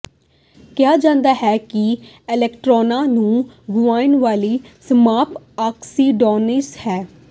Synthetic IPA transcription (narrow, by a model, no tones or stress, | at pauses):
kɪaːd͡ʒãːnd̪aːɦɛːkɪ | ɪlɛːkʈɾɔːnãːnũːɡʊʋaːɪnʋaːliːsəmaːp | aːksiːɖɔːnɪshɛː